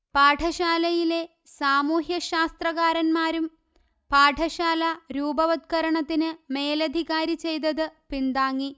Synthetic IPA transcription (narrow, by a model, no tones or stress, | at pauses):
paːʈʰɐɕaːlɐjile̞ | saːmuːɦjɐɕaːst̪rɐɣaːɾɐnmaːɾum | paːʈʰɐɕaːlɐɾuːbɐʋɐt̪̚kɐɾɐɳɐt̪ːinɨme̞ːlɐd̪ʱiɣaːɾit͡ɕe̞jt̪̬ɐðɨpind̪aːŋːi